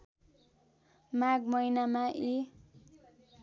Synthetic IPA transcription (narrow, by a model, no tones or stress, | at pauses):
maɡmʌjnamaʔi